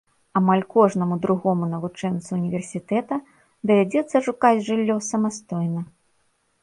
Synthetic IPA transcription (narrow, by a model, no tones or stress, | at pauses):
amalʲkɔʐnɐmud̪ɾuɣɔmunɐvut͡ʂɛnt̪suunʲivʲɛrsʲit̪ɛt̪ɐ | d̪ɐvʲad͡zʲɛt̪sːɐʂukad͡zʲʐɨlʲːɔsɐmast̪ɔjnɐ